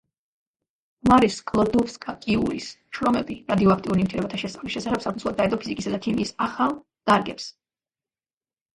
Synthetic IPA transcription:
maɾiskʼlˠɔd̪ɔpskʼakʼiṵɾisʃʰɾɔmɛbiɾad̪iɔak̚ʰt̪ʼiuɾnimt̪ʰiɾɛbat̪ʰaʃɛsʼavlisʃɛsaχɛb̥sakʰnsʰulˠad̪aɛd̪ʼɔpʰizikʼisad̪at̪ʰimiːsaχalˠ | d̪̥aɾɡɛps

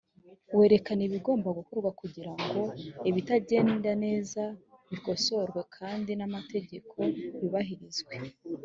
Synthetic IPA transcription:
we̞ːɾe̞kaniβiɡo̞ːmbaɡukoɾɡwakuɟiɾaŋɡo̞iβitaɟe̞ːndane̞ːzaβiko̞so̞ɾɡwe̞kʰaːndinamate̞ɟe̞kʰo̞βiβaɦiɾizɡwe̞

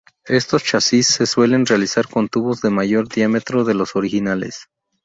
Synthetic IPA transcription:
e̞st̪o̞st͡ʃasisse̞swe̞le̞nrealisaɾko̞nt̪uβo̞zðe̞maʝo̞ɾðjame̞t̪ɾo̞ðe̞lo̞so̞ɾixinalḛs

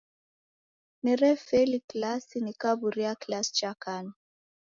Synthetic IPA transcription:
niɾɛfeliklasinikabuɾiaklast͡ʃakani

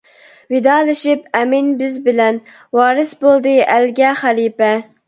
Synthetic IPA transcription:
wɪd̪ɑːlˠɨʃipɛmɪnbɪzbɪlɛn | wɑːɾɨsbolˠd̪ɨʔælɡʲɛχælipɛ

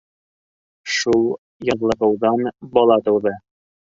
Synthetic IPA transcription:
ʃulˠ | jɑʁlˠɤ̆ʁɤ̆wðɑnbɒlˠɑt̪ɤ̆wðɤ

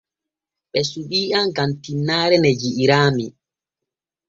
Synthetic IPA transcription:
ɓɛsuɓiːʔamɡantinːaːɾɛnɛd͡ʒiʔiɾaːmi

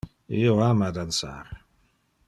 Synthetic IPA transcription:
iwamad̪ansa̰ɾ

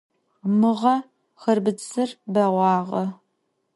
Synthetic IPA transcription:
mɨʁɐ | xɐrbɨt͡sɨrbɐʁʷɑːʁɐ

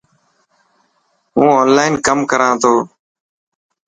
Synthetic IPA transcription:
ɦũːoːnlaːɪnkəmkəɾãːt̪ʰoː

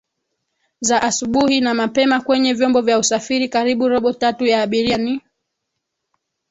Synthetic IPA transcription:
zaʔasuɓuhinamapɛmakwɛɲɛvjɔmbɔvjausafiɾikaɾiɓuɾɔɓɔtatujaːɓiɾiani

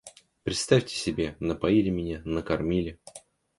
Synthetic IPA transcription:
pɾʲɪt̪st̪afʲtʲɪ̥sʲɪbʲe̞nəpɐilʲɪmʲɪnʲanəkɐrmʲilʲɪ

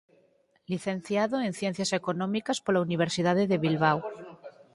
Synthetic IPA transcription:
liθẽnθjaðoen̟θjen̟θjasekonõmikaspolauniβ̞eɾsið̞aðeðeβilβ̞aw

